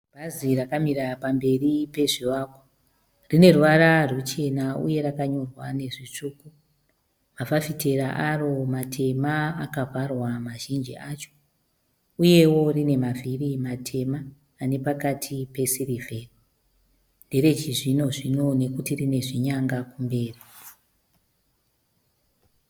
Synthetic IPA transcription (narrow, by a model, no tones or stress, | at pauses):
bʱazirakamiɾapambe̞ripe̞ʐiwaːko | rine̞ruʋaɾarut͡ʃe̞naṵje̞ɾakaɲo̞rwane̞ʐit͡ʂuːku | mafafite̞ɾaʔaro̞matʰe̞maːkaparwamaʒind͡ʒḭʔat͡ʃo | uje̞wo̞rine̞mavʱirimatʰe̞maː | ne̞pakatʰipe̞sirivʱeri | nde̞ɾe̞t͡ʃiʐinoʐino̞ne̞kutirine̞ʐiɲaŋɡakumbe̞ːri